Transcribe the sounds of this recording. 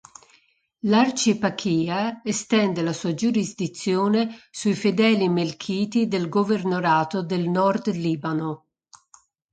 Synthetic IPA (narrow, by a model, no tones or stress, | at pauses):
lart͡ʃipakʰiːaest̪ɛnd̪elasuːad͡ʒuɾizd̪it̪sːjoːnesuifed̪ɛːlimelkʰiːtd̪id̪elɡovernoɾaːt̪od̪elnɔrd̪liːbano